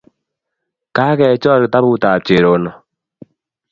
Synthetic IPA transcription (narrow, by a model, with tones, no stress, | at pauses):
ka˦kɛ˨t͡ʃɔ˦ɾta˦bu˦ta˨t͡ʃe˨ɾo˨nɔ˨